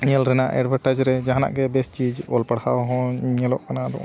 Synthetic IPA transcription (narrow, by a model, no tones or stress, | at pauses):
ɲɛlɾɛnaʔɛ̰ɖbʱãɳʈad͡ʒɾɛd͡ʒaɦana̰ʔɡɛbɛst͡ʃid͡ʒɔlpaɽhawɦɔ̃ɲɛlɔʔkanaʔd̪ɔ̰ʔ